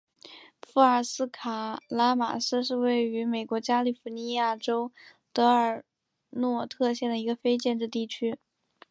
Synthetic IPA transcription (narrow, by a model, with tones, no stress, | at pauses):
fu˥˩ə˞˨˩sɹ̩˥kʰa˨˩la˥ma̰˨˩ʂɹ̩˥˧ʂ̬ɻ̩˥˧we˥˩ɪy˧˥me˨˩ɪkwɔ˧˥t͡ɕja˥li˨˩fu˧˥ni˧˥ja˥˩ʈ͡ʂo˥ʊ | t̪ɤ˧˥ə˞˨˩ | nwɔ˥˧t̪ʰɤ˥˧ɕjɛ˥˩nd̪ə˩i˧˥ɡə˧fe˥ɪt͡ɕjɛ˥˧nʈ͡ʂɻ̩˥˧t̪i˥˩t͡ɕʰy˥